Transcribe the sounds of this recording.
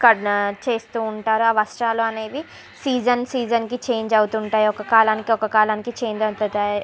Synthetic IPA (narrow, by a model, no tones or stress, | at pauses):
kɐt͡ʃe̞ːst̪uːɳʈaːɾuɐʋɐsʈaːluɐne̞ːʋi | siːd͡ʒɐnsiːd͡ʒɐnkit͡ʃe̞ːɲd͡ʒɐwut̪uɳʈaːjiɔkɐkaːlaːnikiɔkɐkaːlaːnikit͡ʃe̞ːɲd͡ʒɐt̪ut̪aː